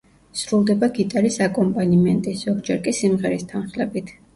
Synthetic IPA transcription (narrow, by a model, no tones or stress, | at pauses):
sɾulˠd̪ɛbaɡit̪ʼaɾisakʼɔmpʼanimɛnt̪ʼizɔɡd͡ʒɛɾkʼisimʁɛɾist̪ʰanχlɛbit̪ʰ